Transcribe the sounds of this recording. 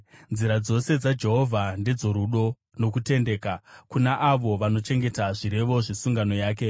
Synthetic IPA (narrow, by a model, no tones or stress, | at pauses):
nziɾad͡zo̞se̞d͡zad͡ʒe̞ɦo̞vʱande̞d͡zo̞ɾuɗo̞ | no̞kute̞nde̞ːkakunaʔaʋo̞ʋano̞t͡ʃe̞ŋɡe̞taʐiɾe̞ʋo̞ʐisuŋɡano̞jaːke̞